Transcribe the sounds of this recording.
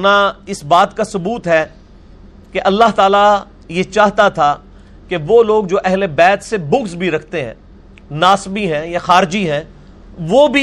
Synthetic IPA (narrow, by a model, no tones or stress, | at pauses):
naɪsbaːt̪kasʊbuːt̪ɦɛː | keʔɐlːaɦt̪aːla | jet͡ʃaːɦt̪at̪ʰa | keʋoːloːɡ̚d͡ʒoːʔɛɦlebɛːt̪sebʊ̃ksbʱiɾɐkʰt̪eɦɛ̰̃ː | naːsbiɦɛ̃ːjaxaːɾd͡ʒiɦɛ̃ː | ʋoːbʱi